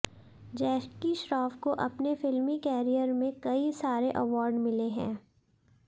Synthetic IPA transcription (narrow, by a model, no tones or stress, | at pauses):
d͡ʒɛːkiʃɾaːfkoʔɐpnefɪlmikɛːɾijəɾmẽkɐisaːɾeʔɐʋɔːɾɖmɪleɦɛ̰̃ː